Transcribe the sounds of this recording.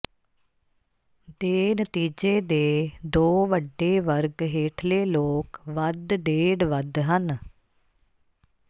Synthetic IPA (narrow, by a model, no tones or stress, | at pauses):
d̪eːnət̪iːd͡ʒeːd̪eːd̪oːʋəɖːeːʋəɾɡɦeːʈʰleːloːkʋəd̪ɖeːɖʋəd̪ɦən